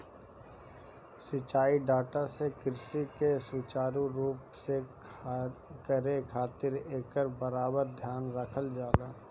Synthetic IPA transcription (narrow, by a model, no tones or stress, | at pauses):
sɪt͡ʃaːiɖaːʈasekɪɾsikesʊt͡ʃaːɾũɾuːpse | kəɾekʰaːt̪ɪɾeːkəɾbəɾaːbəɾd̪ʱjaːnɾəkʰəld͡ʒaːlaː